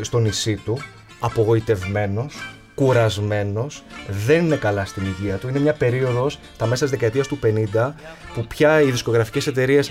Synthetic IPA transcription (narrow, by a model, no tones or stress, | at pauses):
st̪o̞nisit̪u | ɐpo̞ɣo̞it̪e̞vme̞no̞s | kuɾɐzme̞no̞sðe̞nine̞kɐlɐst̪iniʝiɐt̪uine̞mɲɐpe̞ɾio̞ðo̞sst̪ɐmɐt̪izðekɐet̪iɐst̪upe̞nind̪ɐpupçɐiðisko̞ɣɾɐfi̥ce̞se̞t̪e̞ɾie̞s